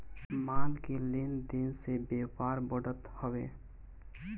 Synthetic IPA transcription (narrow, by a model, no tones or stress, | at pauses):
maːnkelɪnd̪ɪnsebeːpaːɾbəɽət̪həwḛː